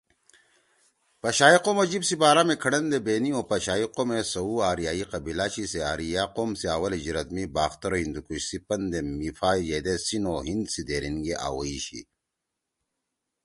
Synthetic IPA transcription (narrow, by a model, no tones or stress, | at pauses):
pɐɕaːiqomɐd͡ʑibsibaːɾamekʰɐɽɐnd̪ebeːnioːpɐɕaːiqomesɐuaːɾijaːiqɐbilaɕiseaːɾijaːqoːmsiaːwɐlid͡ʑiɾɐt̪mibaːxt̪ɐɾoɦind̪ukuɕsipɐnd̪emifaːijed̪esinoːɦind̪sid̪eːɾinɡeʔa̰ːwɐ̰iɕḭ